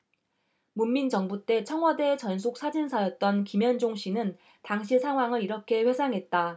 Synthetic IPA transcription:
mumːind͡ʑʌŋbut͈e̞t͡ɕʰʌŋwʌdet͡ɕʌns̬ʰok̚s͈ʰad͡ʑinsʰajʌt̚t͈ʌnkimjʌnd͡ʑoŋɕ͈ʰinɯn | taŋɕʰisʰaŋwaŋɯɾiɾʌkʰe̞ɸwe̞sʰaŋɦe̞t̚t͈a

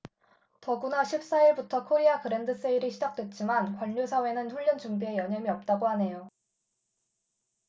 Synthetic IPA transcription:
tʌɡunaɕʰip̚s͈aiɭbutʰʌkʰoɾiakɯɾe̞ndɯs͈eiɾiɕʰid͡ʑak̚t͈we̞t̚t͡ɕ͈imankwaʎːusʰawe̞nɯnɸuɭːjʌnd͡ʑuŋbie̞jʌɲʌmiʌp̚t͈aɡoɦane̞jo

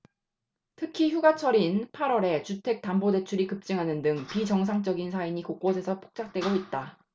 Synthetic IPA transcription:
tʰɯkʰiçjuɡat͡ɕʰʌɾinpʰaɾwʌɾe̞t͡ɕutʰe̞k̚t͈ambode̞t͡ɕʰuɾikɯp̚t͡ɕ͈ɯŋɦanɯndɯŋpid͡ʑʌŋs̬ʰaŋt͡ɕ͈ʌɡinsʰaiɲikok̚k͈osʰe̞sʰʌpʰo̥k̚t͡ɕ͈ak̚t͈we̞ɡoit̚t͈a

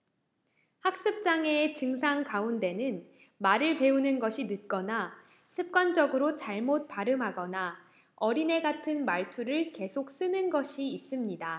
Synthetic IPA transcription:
hak̚s͈ɯp̚t͡ɕ͈aŋe̞ːt͡ɕɯŋs̬ʰaŋkaunde̞nɯn | maɾɯɭpe̞unɯnɡʌɕʰinɯt̚k͈ʌna | sʰɯp̚k͈wand͡ʑʌɡɯɾot͡ɕaɭmot̚p͈aɾɯmɦaɡʌna | ʌɾine̞ɡatʰɯnmaɭtʰuɾɯɭke̞sʰok̚s͈ɯnɯnɡʌɕʰiːs͈ɯmɲida

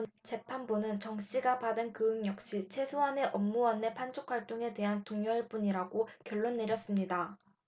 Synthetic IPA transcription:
t͡ɕe̞pʰanbunɯnt͡ɕʌŋɕ͈iɡapadɯnkɯɯŋjʌk̚ɕ͈it͡ɕʰe̞sʰoɦane̞ʔʌmːuwʌnːe̞pʰand͡ʑʰok̚ʰwaɭt͈oŋe̞de̞ɦantoŋjʌɭbuɲiɾaɡokjʌɭːonːe̞ɾjʌs͈ɯmɲida

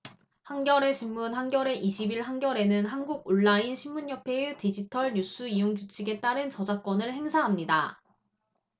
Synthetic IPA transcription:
haŋɡjʌɾe̞ɕʰimmunɦaŋɡjʌɾe̞ʔiɕʰibiɭɦaŋɡjʌɾe̞nɯnɦanɡuɡ̚oɭːainɕʰimmːuɲjʌpʰe̞ɯtid͡ʑitʰʌɭɲus͈ʰuijoŋd͡ʑut͡ɕʰiɡe̞t͈aɾɯnt͡ɕʌd͡ʑak͈ʌnɯɭhe̞ŋsʰaɦamɲida̰

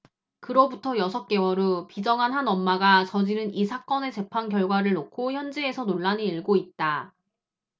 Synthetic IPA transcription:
kɯɾʌbutʰʌjʌsʰʌk̚k͈e̞wʌɾopid͡ʑʌŋɦanɦanʌmːaɡat͡ɕʌd͡ʑinɯnisʰak͈ʌne̞t͡ɕe̞pʰankjʌɭɡwaɾɯɭnokʰoçjʌnd͡ʑiesʰʌnoɭːaniiɭɡoit̚t͈a

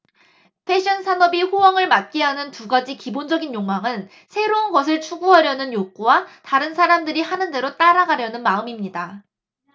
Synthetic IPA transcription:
pʰe̞ɕ͈ʰʌnsʰanʌbiɸowʌŋɯɭmat̚k͈iɦanɯntuɡad͡ʑikibond͡ʑʌɡinjoŋmaŋɯn | sʰe̞ɾounɡʌsʰɯɭt͡ɕʰuɡuɦaɾjʌnɯnjok͈uwataɾɯnsʰaɾamdɯɾihanɯnde̞ɾot͈aɾaɡaɾjʌnɯnmaɯmimɲida

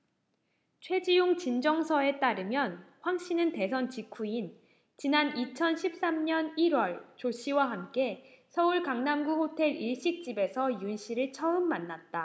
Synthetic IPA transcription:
t͡ɕʰwe̞d͡ʑijoŋt͡ɕind͡ʑʌŋsʰʌe̞t͈aɾɯmjʌnɸwaŋɕ͈inɯnte̞sʰʌnt͡ɕikʰuin | t͡ɕinanit͡ɕʰʌnɕʰip̚s͈amɲʌniɾwʌɭt͡ɕoɕ͈ʰiwaɦamk͈e̞ | sʰʌuɭkaŋnamɡuɸotʰe̞ɾiɭɕ͈ik̚t͡ɕ͈ibe̞sʰʌjunɕʰiɾɯɭt͡ɕʰʌɯmːanːat̚t͈a

